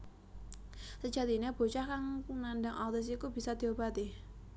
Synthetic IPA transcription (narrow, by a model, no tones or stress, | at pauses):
səd͡ʒad̪iɲab̥o̤t͡ʃakaŋnandaŋʔat̪ɪs̬ikubi̤sad̪̥ioba̤t̪i